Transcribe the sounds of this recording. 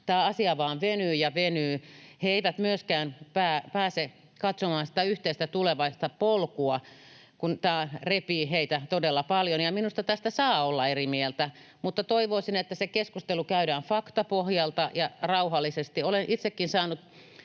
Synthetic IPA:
t̪æːɑsiɑʋɑːnʋenyːjɑʋenyːheeiʋæt̪myøskæːnpæːpæːse | kɑt̪somɑːnsi̥t̪æyht̪eist̪æt̪uleʋɑist̪ɑpolkuɑ | kunt̪æːrepiːheit̪æt̪odelːɑpɑljonjɑminust̪ɑt̪æst̪æsɑːolːɑerimielt̪æ | mut̪ːɑt̪oiʋoisinet̪ːæsekeskust̪elukæyɾæːnfɑkt̪ɑpohjɑlt̪ɑjɑrɑuhɑlːˑisest̪iolenʔit̪sekːinsɑːnut̪

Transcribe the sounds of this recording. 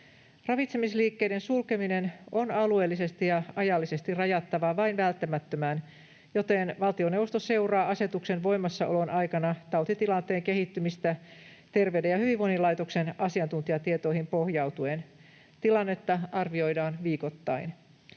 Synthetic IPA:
rɑʋit̪semisliːkːe̞jdensulkemine̞no̞nɑlue̞ːlːise̞st̪ijɑɑjɑlːise̞st̪irɑjɑt̪ːɑʋɑʋɑinʋælt̪ːæmæt̪ːømæːn | jo̞t̪e̞nʋɑlt̪ione̞wʋost̪ose̞urɑːʔɑse̞t̪ukse̞nʋo̞imɑsːɑʔo̞lo̞nʔɑjkɑnɑt̪ɑwt̪it̪ilɑnt̪e̞ːŋke̞ɦit̪ːymist̪æt̪e̞rʋeɥdejɑhyʋiʋo̞inilɑit̪okse̞nɑsiɑnt̪unt̪iɑt̪iet̪o̞ijhimpo̞hjɑwt̪uen | t̪ilɑnːe̞t̪ːɑɑrʋio̞jdɑːnʋiːko̞t̪ːɑin

